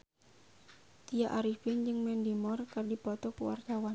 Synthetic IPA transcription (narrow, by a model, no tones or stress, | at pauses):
t̪ijaʔaɾifɪnd͡ʒɨŋmɛndimɔrkɨrdipɔt̪ɔkuwa̰rt̪awa